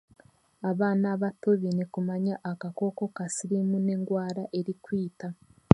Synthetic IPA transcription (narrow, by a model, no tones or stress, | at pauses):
aβaːnaːβatoβinekumaɲaʔːkako̞ko̞kasiɾimune̞ŋɡwaːɾaʔe̞ɾikwiːta